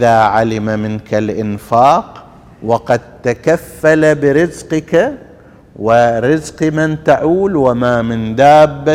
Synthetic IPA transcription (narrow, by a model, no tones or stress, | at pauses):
ʔɪðaːʕalɪmamɪnkalʔɪnfaːq | wɑqɑd̪̚t̪akafːalabɪɾɪzqɪka | wɪɾɪzqmant̪aʕuːlwamamɪnd̪aːbːa